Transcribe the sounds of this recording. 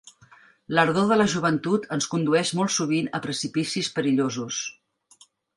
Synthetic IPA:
ləɾðoðələʒuβənt̪ut̪ʰənskund̪uɛʃmɔlˠsuβinəpɾəsipisispəɾiʎozus

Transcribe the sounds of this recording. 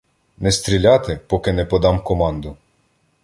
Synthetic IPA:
nɛst̪ɾʲilʲɑt̪ɪpɔkɪnɛpɔd̪ɑmkɔmɑnd̪ʊ

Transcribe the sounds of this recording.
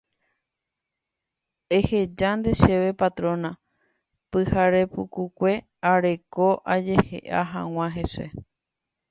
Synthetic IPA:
e̞he̞d͡ʒand̪e̞ʃe̞ʋe̞pat̪ɾõ̞na | pɨhaɾe̞pukukʷe̞ | aɾe̞ko̞ʔad͡ʒe̞hḛʔaɦã̰w̃ãɦe̞se̞̰

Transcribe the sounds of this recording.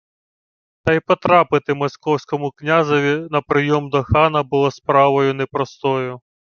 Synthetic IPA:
t̪ɐipɔt̪ɾɑpɪt̪ɪmɔsʲkɔwsʲkɔmʊknʲazɔʋʲinɐpɾɪjɔmd̪ɔxɑnɐbʊlˠɔspɾɑʋɔjʊnɛpɾɔst̪ɔjʊ

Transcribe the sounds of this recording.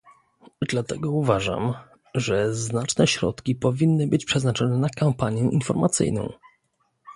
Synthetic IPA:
d̪lat̪ɛɡɔuvaʐa̰m | ʐɛznat͡ʂnɛɕɾɔ̰t̪kʲipɔvʲinːɘbɘt͡ɕpʂɛznat͡ʂɔnɛnakampaɲjɛʔinfɔɾmat̪sɘ̰jnɔ̰̃w̃

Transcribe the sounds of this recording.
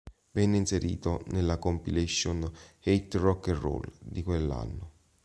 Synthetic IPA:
vɛnːeinseɾḭːt̪onelːakompileʃːonejt̪rɔkːerːo̰ld̪ikwelːa̰nːʊ

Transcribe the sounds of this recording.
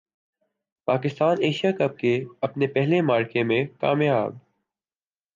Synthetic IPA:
paːkɪst̪aːneːʃijakɐb̚keɐpnepɛɦlemaːɾkemẽka̰ːmja̰ːb̚

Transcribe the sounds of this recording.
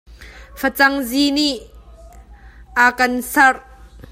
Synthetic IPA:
fət͡sɐŋziniʔ | akɐnsɐr

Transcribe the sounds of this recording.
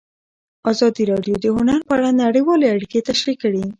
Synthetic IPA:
ɑzɑd̪iɾɑɖjod̪əɦʊnaɾpəaɽanaɽəjwɑleaɽiket̪aʃɾikːəɽi

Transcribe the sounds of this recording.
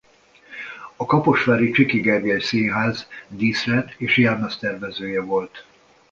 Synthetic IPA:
ɒkɒpoʃfaːɾit͡ʃikiɡɛrɡɛlseːɦaːzd̪iːsrɛt̪eːʃjɛrnɛst̪ɛrvɛzøːjɛvo̞lt̪

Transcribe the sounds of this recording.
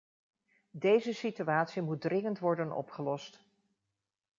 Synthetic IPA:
dejzəsityaːtsimut̚drɪŋəntʋɔɹdənɔ̰pχəlɔst

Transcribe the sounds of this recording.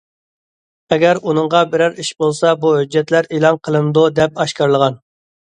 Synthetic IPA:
ɛɡʲɛɾunɨŋʁɑbɪɾæɾiʃbolˠsɑbuɦød͡ʒːɛt̪læɾelˠɑnqʰəlˠɨmd̪ud̪ɛp̚ɑʃkɑɾlˠəʁɑn

